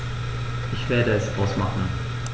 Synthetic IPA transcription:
ʔɪçv̥eːɐdəɛsʔaʊsmaχn̩

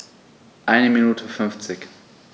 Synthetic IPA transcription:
ʔaɪnəminuːtʰəfʏnft͡sɪk

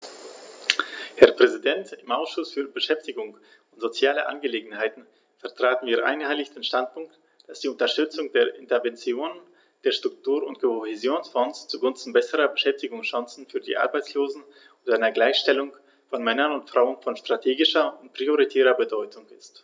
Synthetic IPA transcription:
hɛɐpʁ̥ɛzidɛntɪmʔaʊsʃʊsfyːɐbəʃɛftɪɡʊŋ | ʊntz̥ot͡sjaːləʔa̰nɡəleːɡŋ̩haɪtn̩ | fɛɐtʁ̥aːtn̩viːɐʔa̰ɪnhaɪlɪçd̥eːnʃtant̚pʊŋk̚t | d̥asd̥iːʊntɐʃtʏt͡sʊŋd̥eːɐʔɪntɐvɛnt͡sjoːnən | d̥eːɐʃtʁ̥ʊk̚tuːɐʊntkʰohɛzjoːnsfɔnst͡suɡʊnstn̩bɛsəʁɐbəʃɛftɪɡʊŋsʃãŋsn̩fyːɐdḭːʔa̰ʁbaɪt͡ssloːzn̩ | ʔʊndʔaɪnɐɡlaɪçʃtɛlʊŋ | fɔnmɛnɐnʊntfʁ̥aʊənfɔnʃtʁ̥atʰeːɡɪʃɐʊnt̚pʁ̥ioʁ̞itʰɛːʁɐbədɔʏtʰʊŋɪst

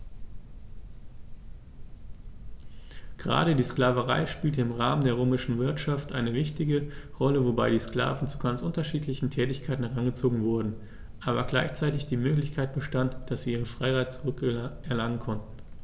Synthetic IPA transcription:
ɡ̥əʁa̰ːɾədiːskl̥aːvəʁa̰ɪʃpiːltəɪmʁaːməndeːɐʁøːmɪʃn̩vɪɐtʃaftʔaɪnəvɪçtɪɡəʁɔləvobaɪdiːskl̥a̰ːvn̩t͡suɡant͡sʔʊntɐʃiːtʰlɪçn̩tʰɛːtɪçkʰaɪtn̩hɛʁanɡət͡soːɡŋ̩vʊɐdn̩ | ʔaːβɐɡlaɪçt͡saɪtɪçd̥iːmøːklɪçkʰaɪt̚b̥əʃtantd̥asz̥iːiːʁənfʁ̥aɪʁaɪt̚t͡suʁʏkʔɛɐlaŋənkʰɔntn̩

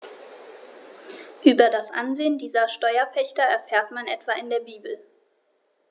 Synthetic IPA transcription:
ʔyːbɐdasʔa̰nzeːəndiːzɐʃtɔʏɐpʰɛçtɐɛɐfɛːɐtmanʔɛtv̥aɪndeːɐbiːbl̩

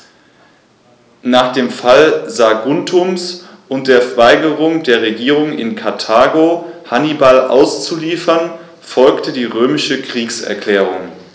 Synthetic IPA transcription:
naːχd̥eːmfalzaɡʊntʰʊmsʔʊnt̚d̥eːɐfɐvaɪɡəʁʊŋdeːɐʁeɡiːʁʊŋɪ̰nkʰaɐtʰaːɡohanibalʔa̰ʊst͡suliːfɐn | fɔlktədiːʁøːmɪʃəkʁ̥iːksɛ̰ɐkʰl̥ɛːʁʊŋ

